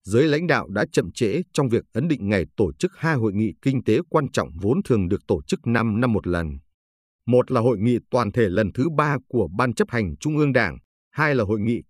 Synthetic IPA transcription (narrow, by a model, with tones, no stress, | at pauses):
zəː˨˦jla̰˧˥jŋ̟ɗa̰ː˧˨wɗa̰ː˧˥t͡ɕə̰˧˨mt͡ɕḛ˧˥t͡ɕɔ˧wŋ͡mvi˨˩ək̚ʔə˨˦nɗḭ˧˨ŋ̟ŋa˨˩jt̪o˧˩t͡ɕɨ˦˥k̚haː˧jɦo̰˧˨jŋḭ˧˨kï˧ŋ̟t̪e˨˦kwaː˧nt͡ɕɔ̰˧˨wŋ͡mvo˨˦nt̪ʰɨ˨˩əŋɗɨ˨˩ək̚t̪o˧˩t͡ɕɨ˦˥k̚na˧mna˧mːo˨˩t̚lə˨˩n | mo˨˩t̚laː˨˩ɦo̰˧˨jŋḭ˧˨t̪waː˨˩nt̪ʰe˧˩lə˨˩nt̪ʰɨ˨˦ɓaː˧ku˧˩əɓaː˧nt͡ɕə˦˥p̚ha˨˩jŋ̟t͡ɕʊ˧ŋ͡mʔɨ˧əŋɗaː˧˩ŋ | haː˧jlaː˨˩ɦo̰˧˨jŋḭ˧˨